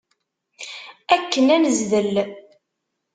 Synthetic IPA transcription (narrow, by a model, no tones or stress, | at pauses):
ækːənænəzðəlː